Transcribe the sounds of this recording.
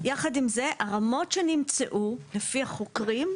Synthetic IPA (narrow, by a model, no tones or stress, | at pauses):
jaχadimzeʔaʁamo̞tʃenimt͡seʔulefihaχokʁim